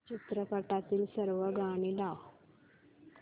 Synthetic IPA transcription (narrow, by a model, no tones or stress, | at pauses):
t͡ɕit̪ɾəpəʈat̪iːlsəɾʋəɡʱaɽ̃ilaw